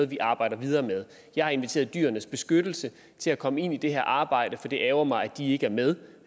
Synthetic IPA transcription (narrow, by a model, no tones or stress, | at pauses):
ð̩ˠʋiʔɑ̈ːb̥ɑ̈ɪ̰ɾ̥ɐʋið̞ˠɐːmeð̞ˠ | jɑ̈ɪhɑ̈e̝nʋit͡sʰe̝̰ːɐðˠd̥y̰ːɐnəsb̥e̝sɡ̥ød̥l̩sə | t͡sʰe̝lækʰɒ̽məe̝n̰id̥e̝ɦæɐ̰ʔɑ̈ːb̥ɑ̈ɪ̰d̥əfɒ̽d̥e̝ʔɛːʊɐmɑ̈ɪæd̥ie̝ɡ̥əæɐmeð̞ˠ